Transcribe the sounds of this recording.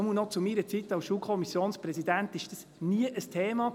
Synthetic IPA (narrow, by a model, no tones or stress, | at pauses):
munɔt͡sumiɾət͡sit̪ːɑwsʃuːlkʰɔmisjoːnspɾɛsidænt̪ɪʃd̥əs | niəʔəstʰeːmɑ